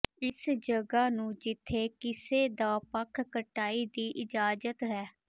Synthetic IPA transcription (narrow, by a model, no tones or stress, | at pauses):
ɪsd͡ʒəɡaːnũːd͡ʒɪt̪ʰːeːkɪseːd̪aːpəkʰːəʈaːiːd̪iːʔɪd͡ʒaːd͡ʒət̪ɦɛː